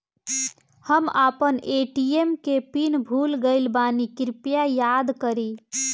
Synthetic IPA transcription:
həmapəneʈiemkepinbʱulɡəɪlbanikiɾpjajad̪kəɾi

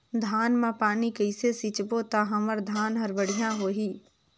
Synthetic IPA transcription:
d̪ʱaːnmãpaːnikɐɪsesɪt͡ʃbot̪aɦɐməɾd̪ʱaːnɦɐɾbəɽijãɦoːɦiː

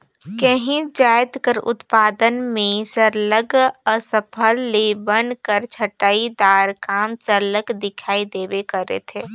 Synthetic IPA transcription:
kəɦĩd͡ʒaːjt̪kəɾʊ̰t̪paːd̪ənmẽsəɾləɡəsəpʰəlːebənkəɾt͡ʃʰəʈaːid̪aːɾkaːmsəɾləkd̪ɪkʰaːid̪eːbekəɾḛt̪ʰeː

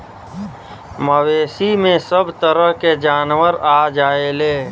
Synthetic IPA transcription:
məweːsimẽsəbt̪əɾəɦked͡ʒaːnwəɾaːd͡ʒaːeleː

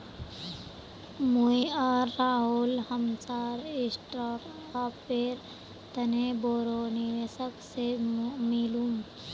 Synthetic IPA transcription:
mujəːɾːaɦulhəmsaɾisʈɾaɾ | apeɾ | t̪əneboɾoniʋesəksemilum

